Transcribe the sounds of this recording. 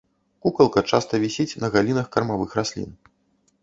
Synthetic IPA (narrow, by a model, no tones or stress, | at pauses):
kukɐlˠkɐt͡ʂa̰st̪ɐvʲisʲit͡sʲnɐɣalʲinɐxkɐrmavɨxrasʲlʲḭn